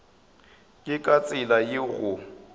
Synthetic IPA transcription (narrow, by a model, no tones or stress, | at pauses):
kʼɪkʼat͡sʼɪlajɪɣʊ